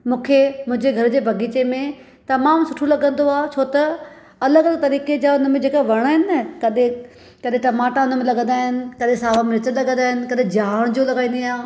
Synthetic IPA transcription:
mũːkʰemʊ̃ɦɪ̃ɲd͡ʑeɡʱɐɾʊd͡ʑeːbʱɐɡʱiːt͡ɕemẽ | t̪ɐmaːmsʊʈʰolɐɡə̃nd̪oaːt͡ɕʰoːt̪ɐ | ɐləɡɐləɡ̚t̪ɐɾiːked͡ʑaːʊnmẽd͡ʑeːkaʋɐɽ̃aːɦɪnɪ̆nɐkɐɗẽ | kɐɗẽʈɐmaːʈaʊnəmẽlɐɡə̃nd̪aːɦɪnɪ̆kɐɗẽsaːʋameɾɪt͡ɕənlɐɡə̃nd̪aːɦɪnɪ̆kɐɗẽd͡ʑaːɽ̃d͡ʑoːlɐɡaːĩnd̪iaː

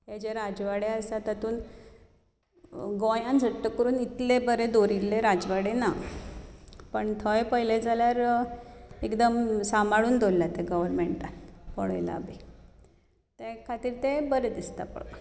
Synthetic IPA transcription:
jat͡ɕeɾad͡zʋaɽeəst̪at̪at̪uːn | ɡojãnd͡zʱəʈːəkəɾuːnit̪lebəɾed̪oɾilːeɾad͡zʋaɽena | pəɳt̪ʰəjpəjled͡zʱaljaɾ | ekd̪əmsamaɭuːnd̪olːjat̪eɡəʋəɾmeɳʈat̪pəɽə̰jla̰be | t̪ekʰat̪iːɾt̪ebəɾed̪ist̪a̰pə̰ɭ

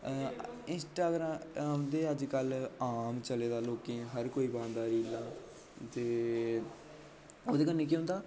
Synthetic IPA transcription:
ɪnsʈaːɡɾãːaːmd̪eːəd͡ʒkəlaːmt͡ʃəleːd̪aːloːkẽːɦəɾkoːiːbãːnd̪aːɾiːlaː | t̪eː | oːd̪eːkənːeːk̬iːɦʊ̃nd̪aː

